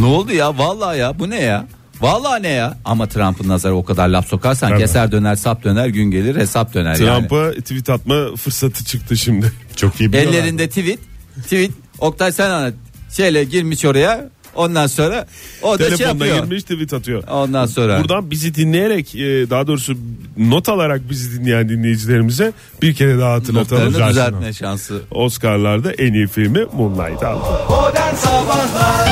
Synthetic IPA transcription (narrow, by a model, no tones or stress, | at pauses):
nuːlˠd̪ujavalˠːaːjabuneja | valˠːaːnejaa̰mat̪ʰɾampʰɯnːazaɾao̞kʰad̪aɾlʲapso̞kʰaɾsanɟesæɾd̪ø̞næɾsap̚d̪ø̞næɾɟynɟe̞lʲiɾhe̞sap̚d̪ø̞næ̰ɾjaɾamnɪpat̪ʰivit̪ʰat̪̚mafɯɾsat̪ʰɯ̥t͡ʃʰɯk̚t̪ʰɯʃimd̪ɪt͡ʃʰok̪iibɛlʲːeɾind̪ɛt̪ʰivit̪̚ʰːivit̪̚ | o̞k̚t̪ʰajsɛnana | ʃe̞jlʲɛɟiɾmiʃo̞ɾaja | o̞nd̪anso̞nɾao̞ɾd̪aʃlʲeeoanajiɾmiʃt̪ʰivit̪at̪ʰɯjoo̞nd̪anso̞nɾauɾd̪anbizid̪inlʲejeɾɛcɛd̪aɦad̪o̞ːɾusuno̞t̪ʰalˠaɾak̚bizid̪inʲejænd̪inʲe̞jid͡ʒilʲe̞ɾimizɛ | b̥iɾcʰe̞ɾɛd̪aɦaːt̪ɯnakt̪ʰaaad͡ʒayzlʲmɛʃansɯo̞skaɾlˠaɾd̪aʔeniːfiɾʲmimunlˠa̰jd̪a̰lˠɯd̪anaba